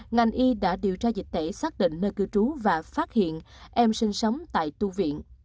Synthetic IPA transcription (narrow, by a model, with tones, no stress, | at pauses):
ŋa˨˩jŋʔi˧ɗa̰ː˧˥ɗi˨˩əwt͡ɕaː˧zi˨˩k̚t̪ḛ˧˩saː˦˥k̚ɗḭ̈˧˨ŋ̟nəː˧jkɨ˧t͡ɕu˨˦vaː˨˩faː˦˥t̚hḭ˧˨ənʔɛ˧msï˧ŋ̟sə˨˦wŋ͡mt̪a̰ː˧˨jt̪u˧vḭ˧˨ən